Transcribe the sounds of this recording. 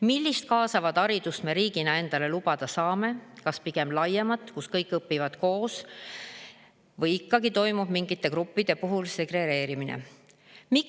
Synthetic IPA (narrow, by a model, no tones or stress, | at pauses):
milʲːist̪̚kɑːsɑvɑd̪ɑɾid̪̥ust̪me̞ɾiːɡ̥inɑe̞nd̪̥ɑle̞lubɑd̪̥ɑsɑːme̞kɑspiɡ̥e̞mlɑjemɑt̪ːˑkuskɤjkːˑɤpːivɑd̪̥ko̞ːs | vɤjikːɑɡ̥it̪o̞jmub̥miŋɡit̪ːˑe̞kɾupːid̪̥e̞puɦulse̞ɡre̞ɾe̞ːɾiminḛ | mi